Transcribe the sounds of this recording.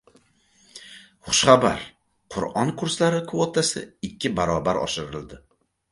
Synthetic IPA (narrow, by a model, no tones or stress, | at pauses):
χʊ̥ʃχaba̰ɾ | qʰʊɾɒnkʰʊɾslaɾɪkʰvot̪ʰasɪ̰ɪkʲʰːɪbaɾɒbaɾɒ̰ʃɪɾɪld̪ɪ